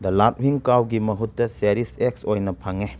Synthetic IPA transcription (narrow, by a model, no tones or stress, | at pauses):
d̪ɐlat̚wiŋkawɡimɐɦutːɐseɾisek̚sojnɐpʰaŋe